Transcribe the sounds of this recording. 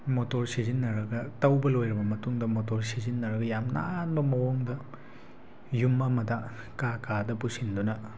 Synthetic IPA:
motoɾsizinːɐɾɐɡɐtɐwbɐlojɾɐbɐmɐtuŋdɐmotoɾsizinːɐɾɐɡɐjamna̰nbɐmɐwoŋdɐ | jumːamɐda | kakadɐpusindunɐ

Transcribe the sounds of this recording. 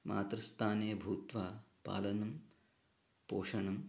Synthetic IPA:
mʔa̰ːt̪ɾɐst̪ʰaːneːbʱuːt̪ʋaːpa̰ːlɐnɐm | poːʂɐɳɐm

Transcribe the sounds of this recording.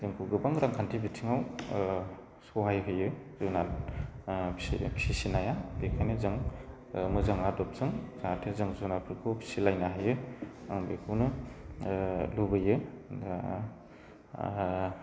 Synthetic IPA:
zeŋkʰuɡɯbaŋɾaŋkʰantʰibitʰiŋaw | sɔwɦajɦɯjɯzɯnan | pʰi̥sisinajabekʰajnɯzɯŋ | mɯzaŋadɔp̚z̥ɯŋzatʰezɯŋzonapʰɯɾkʰɯpʰi̥silajnaɦajɯaŋbekʰɯwnɯ | lubɯjɯ

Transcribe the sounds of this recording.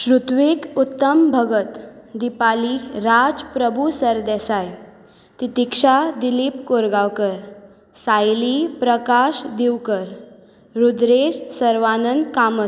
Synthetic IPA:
ɕɾut̪ʋikut̪ːəmbʱəɡət̪d̪ipaliɾad͡zpɾəbʱusəɾd̪ɛsaj | t̪it̪ikʂad̪ilipkoɾɡawkəɾ | sajlipɾəkaɕd̪iwkəɾ | ɾud̪ɾeɕsəɾʋanənd̪kamə

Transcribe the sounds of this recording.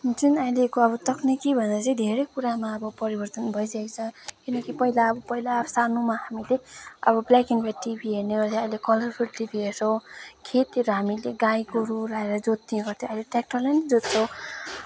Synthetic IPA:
ɦunt͡sunajlekoʌbʌt̪ʌkʰnekibʱʌneɾʌt͡sʌĩd̪ʱeɾʌjkuɾamaʌbʌpʌɾibʌrt̪ʌnbʱʌjsakt͡sʰʌ̃kinʌkipʌɦilaʌbʌpʌilasanumaɦamileʌ̰bʌblakinbʰʱaʈibʱiɦerneɡʌt͡sʰʌʌjlekʌlʌrpʰulʈibʱiesʰʌw̃kʰet̪eɾʌɦamileɡajkoɾuɾaeɾʌd͡zot̪ːinɡʌrt̪ʰjõʌjleʈek̚ʈʌrlajnʌd͡zot̪t͡sʰʌ̃w̃

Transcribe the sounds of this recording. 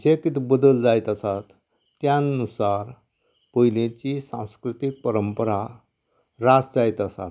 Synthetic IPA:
d͡ʑekit̪ʰibəd̪əld͡zajt̪əsat̪ː | jannusaɾ | pəɦilẽt͡ɕisã̰w̃skɾit̪ik̚pəɾəmpəɾa | ɾad͡zd͡zajt̪əsa̰t̪

